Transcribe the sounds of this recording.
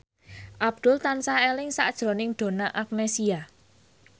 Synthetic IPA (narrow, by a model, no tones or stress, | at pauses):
ʔab̚d̪̥ʊlt̪ansaelɪŋsa̰ʔd̥ʒ̥ɾo̤nɪŋd̪̥o̤naʔak̚nesia